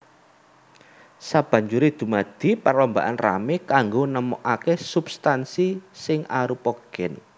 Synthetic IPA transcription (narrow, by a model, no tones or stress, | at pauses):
sab̥ä̤ɲd͡ʒuɾed̪̥ṳmad̪̥i̤parlɔmba̰ʔanra̰mekaŋɡonəmɔʔakesub̥st̪ansisɪŋʔaɾupɔɡ̥ɛn